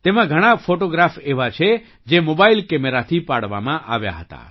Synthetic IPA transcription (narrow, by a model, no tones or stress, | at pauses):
t̪emãɡʱəɽ̃afoʈoɡɾafeʋat͡ʃʰe | d͡ʒemobailkɛmeɾat̪ʰipaɽʋa̰mãʔaʋja̰ɦət̪a̰